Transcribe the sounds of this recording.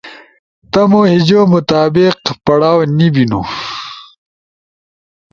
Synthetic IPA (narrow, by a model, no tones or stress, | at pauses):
t̪ɐmohid͡ʑomut̪aːbiqpɐɽaːwnibinṵ